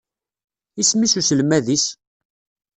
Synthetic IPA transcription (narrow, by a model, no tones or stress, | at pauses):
ismisusəlmæðis